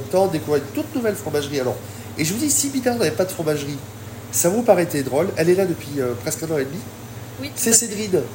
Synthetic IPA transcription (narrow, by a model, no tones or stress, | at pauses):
mt̪ɑ̃d̪ekuvʁid̪t̪ut̪nuvɛlfχɔ̃maʒʁialɔ̰ʁ | eʒəvud̪isibid̪ɛ̃navɛpad̪əfχɔ̃maʒʁi | savupaʁɛt̪ɛd̪ʁɔlɛlɛlad̪əpɥiøpχɛskɛ̃nɑ̃ed̪mi | wisɛsed̪ʁin